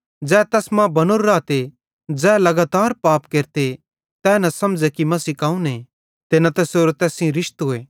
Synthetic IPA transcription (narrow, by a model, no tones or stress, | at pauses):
d͡zɛːt̪ɛːsmãbɐnoɾːaːt̪e | d͡ʒɛːlɐɡaːt̪aːɾpaːpkeːɾt̪e | t̪ɛːnɐ̃sɐmd͡ʒɛkimɐsikaːũne | t̪enɐt̪ɛsoːɾot̪ɛːsĩɾɪʃt̪ɦʊeː